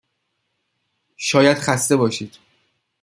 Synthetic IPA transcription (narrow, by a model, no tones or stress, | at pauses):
ʃɒːjæd̪̥χæst̪e̞bɒːʃiːd̪̥